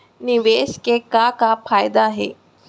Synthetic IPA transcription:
niʋeɕkekakafajd̪aːɦḛ

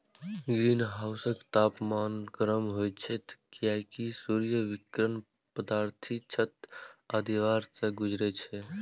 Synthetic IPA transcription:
ɡɾinɦaʊsəkt̪aːpmankɾəmɦojt͡ʃʰɛt̪kijakisuɾijəʋikɾən | pəd̪aːɾt̪ʰit͡ʃʰət̪əd̪iʋaɾseɡud͡ʒɾɛt͡ʃʰɛ

